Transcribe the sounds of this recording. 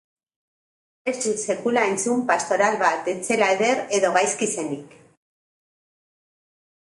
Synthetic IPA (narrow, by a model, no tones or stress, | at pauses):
esisekulaent͡sumpast̪o̞ɾalβat̪et͡selaeðeɾeðoɣajskisenik